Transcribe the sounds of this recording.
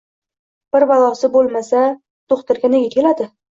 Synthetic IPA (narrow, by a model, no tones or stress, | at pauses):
b̥ɪɾvalˠɒsɪbolˠmasa | t̪ʰoχt̪ɪɾɡʲaneɡʲakʲʰe̞lad̪ɪ